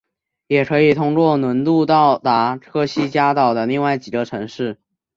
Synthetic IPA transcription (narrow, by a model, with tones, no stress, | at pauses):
jɛ˨˩kʰɤ˧˥i˨˩t̪ʰʊ˥ŋkwɔ˥˩nwə˧˥nt̪u˥˧t̪ɑ˥˩ʊt̪a˧˥ʈ͡ʂʰɤ˥ɕi˥t͡ɕja˥t̪ɑ˨˩ʊd̪ə˦li˥˧ŋwa˥˩ɪt͡ɕi˨˩ə˦ʈ͡ʂʰɤ˧˥ŋʂɻ̩˥˩